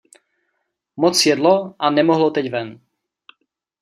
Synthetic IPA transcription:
mɔt͡sjɛd̪lɔʔanɛmɔɦlɔt̪ɛɟvɛn

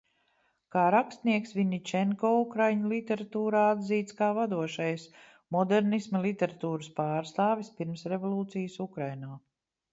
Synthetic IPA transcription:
kaːɾakst̪niɛksʋiɲit͡ʃɛŋkɔːukɾajɲulˠit̪ʲɛɾat̪uːɾaːad̪ziːt̪skaːvad̪uɔʃajs | mɔd̪ɛɾnismɐlˠit̪ʲɛɾat̪uːɾəspaːɾst̪aːvʲispiɾmsɾevɔlˠuːt̪sijəsukɾajnaː

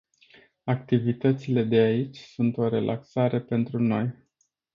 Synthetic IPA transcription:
ak̚t̪ivit̪ət̪sile̞d̪e̞ait͡ʃʲsunt̪o̞ɾe̞lʔa̰ksaɾe̞pe̞nt̪ɾuno̞j

